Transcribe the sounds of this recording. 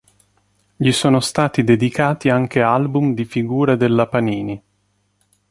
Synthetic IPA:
ʎisoːnost̪aːt̪id̪ed̪ikaːt̪iaŋk̟ealbumd̪ifiɡuːɾad̪elːapaniːni

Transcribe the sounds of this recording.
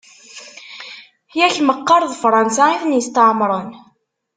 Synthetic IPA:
jæçməqːɑɾˤðˤfɾˤɑnsaiθnjəst̪əʕmɾˤən

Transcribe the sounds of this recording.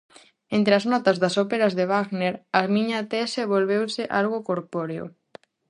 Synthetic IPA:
ent̪ɾeɐznɔt̪ɐzðɐsopeɾɐzðeβaɣneɾɐmiɲat̪eseβolβewsɪʔalɣokoɾpoɾeo̰

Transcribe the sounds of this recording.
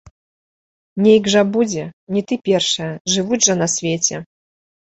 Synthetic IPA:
mnʲɛiɡʐɐbud͡zʲɛnʲit̪ɨpʲɛrʂɐjɐʐɨvud͡zʲʐɐnɐsʲvʲet͡sʲɛ

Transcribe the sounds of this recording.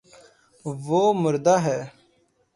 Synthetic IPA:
ʋoːmʊɾd̪aɦɛː

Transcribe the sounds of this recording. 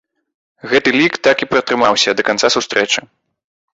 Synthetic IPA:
ɣɛt̪ɨlʲikt̪akipɾɐt̪ɾɨmawsʲɐd̪ɐkant̪sasust̪ɾʔɛt͡ʂɨ

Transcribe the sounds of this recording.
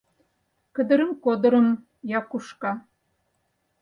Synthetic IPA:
kə̆d̪ə̆ɾə̆mkod̪ɤ̆ɾɤ̆m | jɑkuʃkɑ

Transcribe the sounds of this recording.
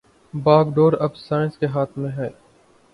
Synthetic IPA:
baːɡɖoːɾɐbsaːɪnskeɦaːt̪ʰmẽɦɛː

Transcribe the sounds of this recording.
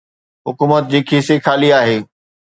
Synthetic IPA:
ɦʊkuːmət̪̚d͡ʑiːkʰisekʰaːliaːɦeː

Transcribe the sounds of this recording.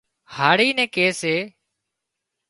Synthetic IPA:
haːɽiːnɛ̃ːkeːseː

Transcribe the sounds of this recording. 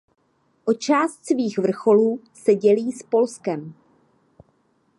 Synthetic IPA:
ʔo̞t͡ʃaːst̪sviːxvr̩xo̞luː | sɛɟɛliːspo̞lskɛm

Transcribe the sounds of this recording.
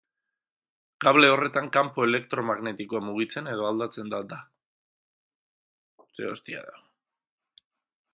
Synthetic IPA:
kaβle̞o̞re̞t̪aŋkampoe̞le̞kt̪ɾo̞maɣne̞t̪ikoamuɣ̞it͡se̞ne̞ð̞o̞ald̪at͡se̞nd̪ad̪a | seost̪ia̰ða

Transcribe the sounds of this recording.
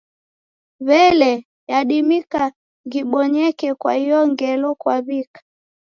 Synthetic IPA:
βɛlɛ | jaɗimika | ŋɡiɓɔɲɛkɛkwa̰hijɔŋɡɛlɔkwaβikḁ

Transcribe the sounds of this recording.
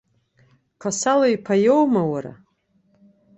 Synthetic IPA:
kʰasaloipʰajowmawaɾa̰

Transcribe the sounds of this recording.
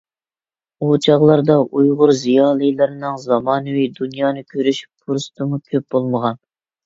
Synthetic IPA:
ut͡ʃʰɑʁlˠɑɾd̪ɑʔujʁʊɾzijɑːlˠɨjlˠɨɾɨnɨŋzɑmɑːnɨwijd̪unjɑːnɨkʲʰøɾyʃy̥ppʰuɾst̪ɨmukʲʰøp̚bolˠməʁɑn

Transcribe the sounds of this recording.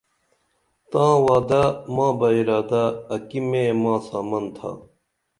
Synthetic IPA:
t̪ãːwaːd̪amãːbɐiɾaːd̪aɐkimẽmãːsaːmɐnt̪ʰa̰ː

